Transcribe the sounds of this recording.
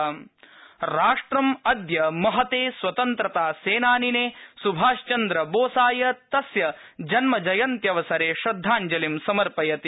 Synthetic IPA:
ɾaːʂʈɾɐmɐd̪jɐmɐɦɐt̪eːsʋɐt̪ɐnt̪ɾɐt̪aːseːnaːnineːsubʱaːʃt͡ʃɐnd̪ɾɐboːsaːjɐt̪ɐsjɐ | d͡ʒɐnmɐd͡ʒɐjɐnt̪jɐʋɐsɐɾeːʃɾɐd̪ʱːaːɲd͡ʒɐlimsɐmɐɾpɐjɐt̪i

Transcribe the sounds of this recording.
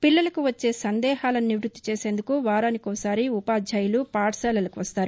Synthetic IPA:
pilːɐlɐkuʋɐt͡ʃːe̞ːsɐnd̪ɛːhaːlɐniniʋɾut̪ːi̥t͡ʃeːseːnd̪ukuʋaːɾaːnikɔːsaːɾiupaːd͡ʒʱɐjulupaːʈsɛːlɐlɐkuʋɐst̪aːɾu

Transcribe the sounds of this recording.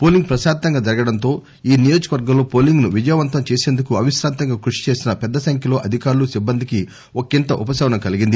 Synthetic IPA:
po̞ːliŋɡ̚pɾɐʃaːd̪t̪ɐŋɡaːd͡ʒɐɾɐɡɐɽɐnt̪o̞ː | iːnijo̞ːd͡ʒɐkɐʋɐɾɡɐmloːpo̞ːliŋɡnuʋid͡ʒɐjɐʋɐnt̪ɐmt͡ʃe̞ːseːnd̪ukuɐʋiʃɾaːnt̪ɐŋɡaːkɾuʂi̥t͡ʃe̞ːsinɐpɛd̪ːɐsɐŋkʰjɐlo̞ːʔɐd̪ʱikaːɾulusibːɐnd̪iki | okint̪ɐʔupɐsɐːʋɐnɐmkɐliɡind̪i

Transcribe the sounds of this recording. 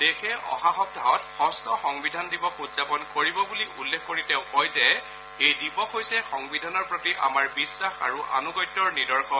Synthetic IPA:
d̥ekʰɛɔ̰xaxɔk̚dʱaɦɔtxɔstɔxɔŋbidʱandibɔkutzapɔnkoɹibɔbuliʔulːekʰkoɹiteʊ̃kɔjzɛ | ejdipɔkɦojsɛxɔŋbidʱanɔɹpɹɔtiʔa̰maɹbisːaxa̰ɹuʔa̰nuɡɔjtːɔɹnidɔɹxʰɔn

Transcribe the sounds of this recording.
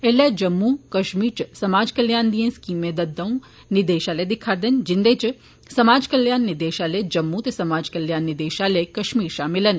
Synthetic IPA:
eled͡ʒɐmːukɐʃmiːɾt͡ʃsɐmaːd͡ʒkɐljaːnd̪ijẽnskiːmẽd̪ɐd̪ɐ̃ũ | nɪd̪eːʃaːled̪ɪkʰaːd̪ɐnd͡ʒɪnd̪eːt͡ʃ | sɐmaːd͡ʒkɐljaːnːɪd̪eːʃaled͡ʒɐmːũt̪esɐmaːd͡ʒkɐljaːnːɪd̪eːʃalekɐʃmiːɾʃaːmɪlən

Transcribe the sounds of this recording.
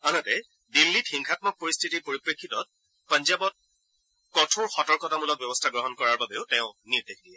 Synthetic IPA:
anatɛ | dilːitxiŋkʰat̚mɔk̚poɹistʰitipoɹipɹekʰːitɔt̚ | panzabɔt̚ | kɔtʰʊɹxɔtɔɹkɔtamulɔk̚bjɔbɔstʰaɡɹɔɦɔnkɔɹaɹbabɛʊtɛ̃ʊ̃niɹdekʰdiɛ

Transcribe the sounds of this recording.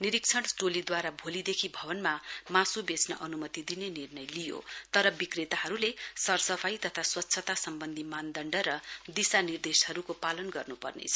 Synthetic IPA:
niɾik̚t͡sʰʌɽʈolid̪waɾabʱolid̪ekʰibʱʌbʌnmamãsubesnʌʔʌnumʌt̪id̪inenirnʌjlijo̰t̪ʌɾʌbikret̪aɦʌɾulesʌrsʌpʰajt̪ʌt̪ʰaswʌtːsʰʌt̪asʌmbʌnd̪ʱimand̪ʱʌɳɖʌɾʌd̪isanird̪eshʌɾukopalʌnɡʌrnupʌ̰rnḛt͡sʰʌ

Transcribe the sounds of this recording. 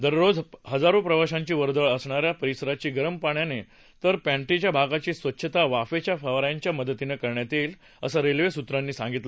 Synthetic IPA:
d̪əɾɾod͡zɦəd͡zaɾũpɾəʋaɕãɲt͡ɕiːʋəɾd̪əɭəsɳaɾjapəɾisəɾat͡ɕiːɡəɾəmpaɳjane | t̪əɾpæ̃ɳʈit͡ɕjabʱaɡat͡ɕiːsʋətːɕʰət̪aʋafet͡ɕjafaʋɾjaɲt͡ɕjaməd̪ət̪inekəɾɳjat̪iːl | əsəɾelʋesut̪ɾanːiːsãŋɡit̪la

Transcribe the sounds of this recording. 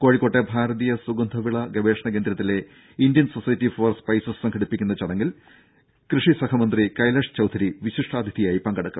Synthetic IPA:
ko̞ːɻikːo̞ːʈːebʱaːɾɐðijɐsuɡɐnd̪ʱɐʋiɭɐɡɐʋe̞ːʂɐɳɐk̬eːnd̪ɾɐt̪ːile̞ | indjɐnsosɐjɐtːifoːrspɐjsɐssɐŋɡʰʱɐɽipːikʲːunːɐt͡ɕɐɽɐŋːil | krɨʂisɐkʰɐmɐnd̪rikɐjlɐʂt͡ɕɐwd̪ʰʱɐɾiʋiɕiʂʈaːd̪ʱid̪ijaːjipɐŋɡɐɽɐkːum

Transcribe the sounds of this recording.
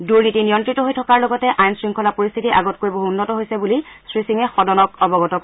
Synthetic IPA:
duɹnitinijɔntɹitɔɦojtʰɔkaɹlɔɡɔtɛʔajnsɹiŋkʰɔlapoɹist̪ʰitiʔaɡɔt̚koɹjboɦuunːɔtɔɦojsɛbulisɹisiŋɛxɔdɔnɔk̚ɔbɔɡɔtɔk

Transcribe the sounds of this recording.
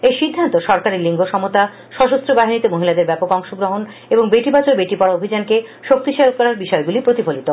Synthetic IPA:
ejʃid̪ʱːant̪oʃɔɾkaɾiliŋɡoʃɔmot̪a | ʃɔʃost̪ɾobaɦinit̪emoɦilad̪eɾbɛpokɔŋʃoɡɾoɦon | eboŋbeʈibat͡ɕoɾbeʈipɔɽaobʱid͡ʑankeʃok̚t̪iʃelkɔɾaɾbiʃɔeɡulipɾot̪ifolit̪o

